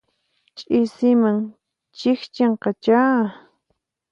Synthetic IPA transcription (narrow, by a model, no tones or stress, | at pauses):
t͡ʃʼɪsɪmaŋ | t͡ʃɪxt͡ʃeɴqɑt͡ʃaː